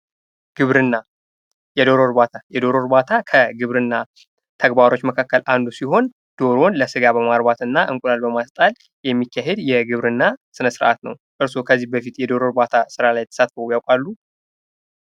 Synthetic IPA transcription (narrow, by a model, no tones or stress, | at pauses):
ɡ̥ɨβɾɨnːa | jɛd̪o̞ɾo̞ɾbat̪ʰajɛd̪o̞ɾo̞ɾbat̪ʰakʰəɡɨβɾɨnːa | t̪ʰəɡbaɾo̞t͡ʃːməkʰakːəlʔand̪usiɦo̞n | d̪̥o̞ɾo̞nləsɨɡabəmaɾbat̪ɨnːaʔɨŋkʼulalbəmast̪ʼal | jɛmːikʰːaɦed̪jɛɡɨβɾɨnːasɨnəsɨɾʔa̰t̪nə̰wʔɨɾsokʰəzːihbəfit̪jɛd̪o̞ɾo̞ɾbat̪ʰasɨɾalajɛt̪ʰəsat̪fəujawkʼalːu